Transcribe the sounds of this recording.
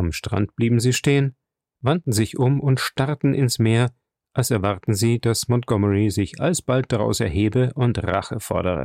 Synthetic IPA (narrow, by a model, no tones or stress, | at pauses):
amʃtʁ̥a̰nt̚b̥liːbm̩ziːʃteːən | vantn̩zɪçʔʊmʊntʃtaʁtn̩ʔɪnsmeːɐ | ʔalsɛɐvaʁtn̩ziːd̥asmɔnt̚ɡ̥ɔməʁizɪçʔa̰lsb̥alt̚d̥aʁa̰ʊsɛ̰ɐɦeːbəʔʊntʁa̰χəfɔ̰ɐɾəʁə̰